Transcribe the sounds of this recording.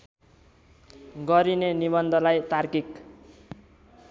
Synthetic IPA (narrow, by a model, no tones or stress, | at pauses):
ɡʌɾinenibʌnd̪ʱʌlajt̪arkik